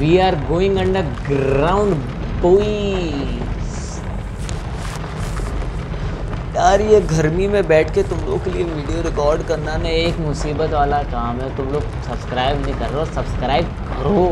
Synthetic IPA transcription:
ʋiːaːɾɡoːɪ̃ŋɡɐ̃ɳɖəɡɾaːʊ̃ɳɖ | boːi | s | jaːɾjeɡʱɐɾmimẽbɛːʈʰket̪ʊmlo̰ːɡ̚kelieʋiːɖijoɾɪkɔːɾɖkɐɾnanɛeːkmʊsiːbət̪ʋaːlakaːmɦɛt̪ʊmloːɡ̚sɐbskɾaːɪbnĩkɐɾːeoːsɐbskɾaːɪb̚kɐɾoː

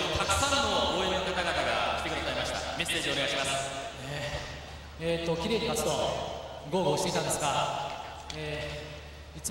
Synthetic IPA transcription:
ot̪akɯ̟̥sãnːo̞ɡoːenɯkat̪aɡat̪aɡa̰kʲi̥t̪e̞kɯ̟d̪asaimaɕi̥t̪a̰me̞se̞ːʑione̞aiɕimasɨ̥e | et̪ːo̞kʲiɾe̞ːɲipat͡sɨ̥t̪o̞ | ɡo̞ːɡoːsiit̪ãnd̪esɨ̥ka | eː | it͡s

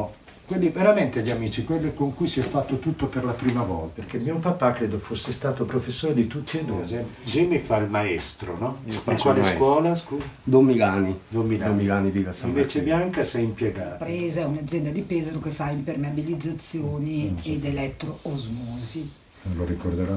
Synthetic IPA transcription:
ɔ | kwelːiveɾament̪eʎamiːt͡ʃikwelːekoŋkujsiɛfːat̪ːot̪ut̪ːoperlapɾiːmavɔ̰lperk̟emːiopapakːɾeːd̪ofosːest̪aːt̪opɾofesːoːɾed̪it̪ut̪ːied̪uːd͡ʒimifailmaɛst̪ɾo̰nɔfat͡ʃːwaleaɛkwɔːlaskuzd̪omːilanid̪omːilomːilaːniviːvasaĩvet͡ʃebjaŋkasɛjimpjeɡaːt̪pɾɛːzaɛunad̪zːjɛnd̪ad̪ipeːzaɾokefːaimpermeabilid̪zːat̪sːjoːnied̪elɛt̪ːɾoozmɔːzi | nõnloɾikord̪eɾɔ

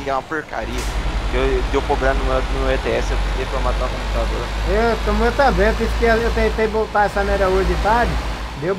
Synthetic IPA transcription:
kɛ̃ɐpoɾka̰ɾiɐed̪ewpɾoɡɾamnuɛnʊɛt̪eɛsekt̪epɾɐmat̪ãkõpu̥t̪ad̪oɾet̪ɐ̃mewt̪ɐ̃bẽj̃ot̪ẽskeɐewt̪ẽt̪ẽj̃bot̪aɛsɐnɛɾɐoʒɪt̪ad͡ʒɪ | d̪ew

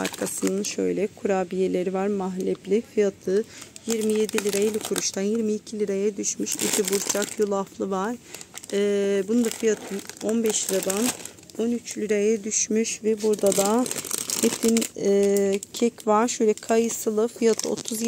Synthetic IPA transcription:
a̰ɾkʰasɯnɯnʃø̞jlʲɛkʰuɾaːbijelʲe̞ɾivaɾmaɦlʲɛplʲifɯjat̪ʰɯjiɾmije̞d̪ilʲiɾaelʲikʰuɾuʃt̪ʰanjiɾmiːcʰilʲiɾajɛd̪yʃmyʃid̪ibuɾt͡ʃʰakjulˠaflˠɯvaɾ̥ɛːbunund̪afɯjat̪ʰɯno̞nbɛʃlʲiɾad̪an | o̞nyt͡ʃlʲiɾajɛd̪yʃmyʃvɛbuɾd̪ad̪ahɛt̪ʰimɛːcʰɛcvaɾʃøjlʲɛkʰajɯsɯlˠɯfɯjat̪ʰɯo̰t̪ʰuz

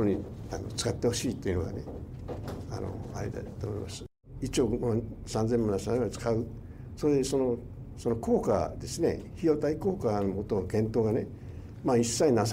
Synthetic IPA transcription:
oɲia̰no̰t͡sɨ̥kat̪ːe̞ho̞ɕiːt̪ːeiɯ̟noɡa̰ne | a̰no̰a̰ɾḛd̪a̰t̪oːmoima̰s | it͡ɕo̞ːmosãnd͡zemanasiãt͡sɨ̥kaɯ̟ | soːd̪eso̞no | sonokʰo̞ːka̰d̪e̞sɨne̞̰çijo̞t̪aiko̞ːkanomot̪oɡẽ̞nt̪o̞ːɡane̞ | maːisːainas

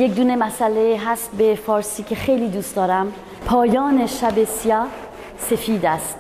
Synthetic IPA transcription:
jekd̪uːne̞mæsæleɦæst̪̚befɒːɾsiːcʰe̞xe̞jliːd̪uːst̪ɒːɾæm | pʰɒːjɒːne̞ʃæbe̞siɒː | se̞fiːd̪æst̪

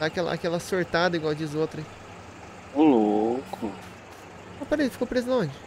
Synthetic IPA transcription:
akɛlɐ̰ʔa̰kɛlɐsoɾt̪ad̪ɐiɡwawd͡ʒɪzot̪ɾɐ | lokʰʊ | ɐ̃pɛɾɐifi̥kowpɾezlõd͡ʒɪ

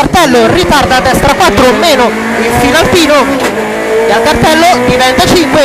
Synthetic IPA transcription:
art̪ɛlːorit̪ard̪aːd̪ːɛst̪ɾakwat̪ːɾomeːno | iɱfinalfiːno | eakːart̪ɛlːod̪ivɛnt̪at͡ʃiŋkwe

